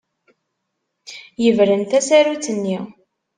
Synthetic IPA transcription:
jəvɾənt̪æsæɾut͡sənːi

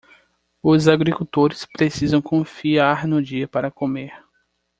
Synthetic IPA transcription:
ʊzaɡɾikuwt̪oɾɪspɾesizɐ̃w̃kʰõfiaɾnʊd͡ʒiɐpaɾɐkõmeɾ

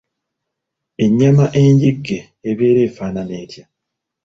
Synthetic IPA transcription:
e̞ɲːamaʔe̞ɲɟiɡːe̞ːβe̞ːɾe̞ːfaːnane̞ːtja

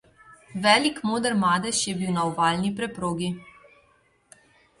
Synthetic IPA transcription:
ʋɛːlikmoːd̪əɾmaːd̪ɛʃjɛbiwnawʋaːlnipɾɛpɾoːɡi

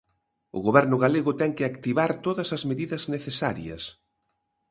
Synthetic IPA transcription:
ʊ̰ɣoβɛɾnʊɣaleɣʊt̪ɛŋkɪakt̪iβaɾt̪oðɐsɐzmeðiðɐzneθesaɾjɐ̰s

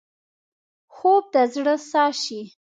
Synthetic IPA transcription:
xob̚d̪əzɽəsɑʃi

